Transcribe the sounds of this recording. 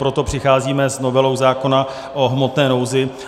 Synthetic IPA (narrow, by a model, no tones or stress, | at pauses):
pɾo̞t̪opr̥ɪxaːziːmɛzno̞vɛlowzaːko̞na | ʔoɦmo̞t̪nɛːno̞wzɪ